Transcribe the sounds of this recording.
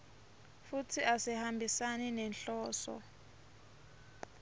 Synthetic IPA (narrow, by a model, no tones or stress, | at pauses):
futʰiʔasihambʱisaninɛnɬɔːsɔ̰